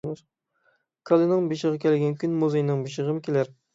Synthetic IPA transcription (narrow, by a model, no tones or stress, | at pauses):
ɾ | kʰɑlˠɨnɨŋbeʃəʁɑkʲʰɛlɪɡʲɛŋkʲʰynmuzejinɨŋbeʃəʁəmɪkʲʰelæɾ